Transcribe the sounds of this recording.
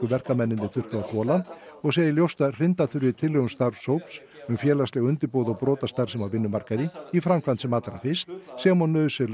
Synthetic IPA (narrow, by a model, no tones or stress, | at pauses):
ʏvɛr̥kamɛnːɪnt̪ɪθʏr̥t̪aaθɔːlan | ɔɣseːjɪljowst̪ar̥ɪnt̪aθʏɾvɪt̪ʰɪlːʏɣʏmst̪aɾv̥sowps | ʏmfjɛːlast̪lɛɣʏnt̪ɪɾpoːwðɔɣpɾɔːt̪ast̪aɾ̥sɛmaɾvɪnːʏmar̥kaðɪifɾamkʰvant̪sɛmat̪laɾa̰fɪst̪sɛɣmɔnːœːðʏsɛɾ